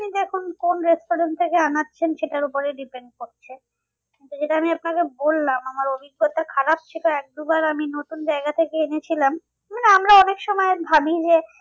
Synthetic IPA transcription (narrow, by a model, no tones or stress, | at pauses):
id̪ɛkʰunkonɾesʈoɾent̪ʰekeanatːɕʰenʃeʈaɾupoɾeɖipeɳɖ̚koɾt͡ɕʰe | kint̪ud͡ʑeʈaamiapnakebolːamamaɾobiɡːot̪akʰaɾap̚t̪ʰikoɛk̚d̪ubaɾaminot̪und͡ʑaeɡat̪ʰekeenet͡ɕʰilam | maneamɾaɔnekʃɔmɔebʱabid͡ʑe